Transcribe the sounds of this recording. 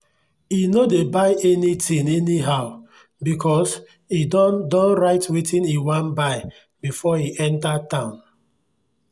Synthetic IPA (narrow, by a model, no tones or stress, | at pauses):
inodebaɪʔɛnitĩŋɛniɦaʊ | bikʰɔs | idɔdɔ̃nɹaɪtwitĩniwãnbaɪ | bifɔiʔɛ̃ntatãʊ̃n